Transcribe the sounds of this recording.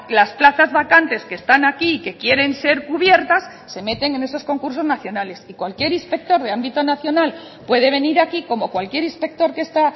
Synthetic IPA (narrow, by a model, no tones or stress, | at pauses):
lasplaθazβakant̪e̞skest̪anakiːke̞kje̞ɾe̞nse̞ɾkuβje̞ɾt̪asːe̞me̞t̪e̞ŋe̞ne̞so̞sko̞ŋkuɾso̞znaθjo̞nale̞sikwalkje̞ɾinspe̞k̚t̪o̞ɾð̞e̞ambit̪o̞naθjo̞nal | pwe̞ðe̞β̞e̞niɾakiko̞mo̞kwalkje̞ɾispe̞k̚t̪o̞ɾke̞st̪a